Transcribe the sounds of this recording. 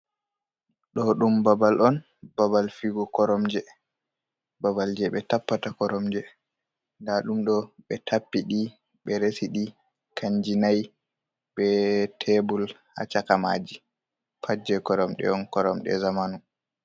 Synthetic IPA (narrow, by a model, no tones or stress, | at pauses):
ɗɔɗumbabalʔɔn | babalfiɡɔkɔɾɔmd͡ʒɛ | babald͡ʒɛɓɛtapːatakɔɾɔmd͡ʒɛ | ndaɗumɗɔɓɛtʰapːiɗi | ɓɛɾesiɗi | kʰaɲd͡ʒinaj | ɓɛtʰebulha̰t͡ʃakamaːd͡ʒi | pʰad͡ʒɛkɔɾɔmɗɛ̰ɔnkɔɾɔmɗɛ̰zamanu